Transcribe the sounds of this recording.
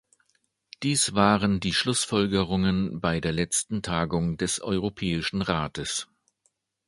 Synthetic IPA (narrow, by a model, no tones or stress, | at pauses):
d̥iːsv̥aːʁəndiːʃlʊsfɔlɡəʁʊŋənbaɪdeːɐlɛt͡stn̩tʰaːɡʊŋdɛsʔɔʏʁopʰɛːɪʃn̩ʁaːtəs